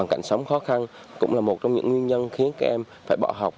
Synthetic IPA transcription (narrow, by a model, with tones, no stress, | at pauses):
aː˨˩ŋka˧˩jŋ̟sə˨˦wŋ͡mxɔ˨˦xa˧n | kʊ̰˧˥ŋ͡mlaː˨˩mo˨˩t̚t͡ɕɔ˧ŋ͡mɲɨ̰˧˥ŋwi˧ənɲə˧nxi˨˦ənka˨˧˩ʔɛ˧m | faː˧˩jɓɔ̰˧˩ɦa˨˩wk͡p̚